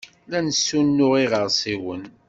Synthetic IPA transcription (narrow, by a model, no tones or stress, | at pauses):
lænəsːunːʊʁiʁəɾsˤiwən